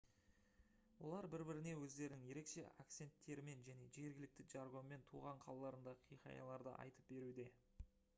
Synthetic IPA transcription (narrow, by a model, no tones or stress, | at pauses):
wo̞̰lˠɑɾbɪɾbɪɾɪne̞wɵzd̪e̞ɾɪnɪŋje̞ɾe̞kʃe̞̰ja̰kt̪se̞nt̪ːe̞ɾɪme̞nʒæne̞ʒe̞ɾɡʲɪlɪk̚t̪ɪd͡ʒɑɾɡo̞nme̞nt̪ʰuʁɑɴqʰɑlˠɑlˠɑɾənd̪ɑqʰijqɑ̰jɑ̰lˠɑɾd̪ə̰ʔɑ̰jt̪əp̚be̞ɾud̪e̞